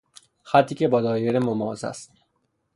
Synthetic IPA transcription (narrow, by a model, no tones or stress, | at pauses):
xæt̪ʰːiːkcʰebɒːd̪ɒːjeɾemomɒːzæ̰st̪